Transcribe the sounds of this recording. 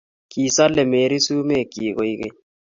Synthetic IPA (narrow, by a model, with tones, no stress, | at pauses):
ki˨sa˦lɛ˨me˨ɾi˦su˦me˦˨ki˨ɣo˨i˦kḛ˦